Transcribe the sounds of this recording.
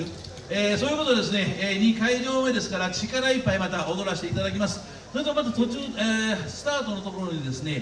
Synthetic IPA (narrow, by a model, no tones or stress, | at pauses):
eːso̞ːjɯ̟ko̞t̪o̞ad̪esɨne̞ɲ̟ikaiʑo̞ːmed̪e̞sɨ̥kaɾat͡ɕikaɾaipːaimat̪aʔo̞d̪o̞ɾaɕi̥t̪e̞it̪ad̪ak̬ʲimasɨ̥ | sot̪omazat̪o̞t͡ɕɨːsɨ̥t̪aːt̪o̞no̞t̪o̞ko̞ɾo̞ɲ̟id̪e̞sɨne̞